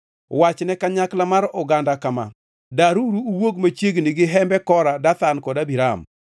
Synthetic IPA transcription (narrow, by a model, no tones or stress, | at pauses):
wat͡ʃnɛkaɲaklamaɾʊɡandakama̰ | daɾuɾuuwoɡmat͡ʃjeɡnɪɡɪɦɛmbɛkɔɾadat̪ankɔdabiɾa̰m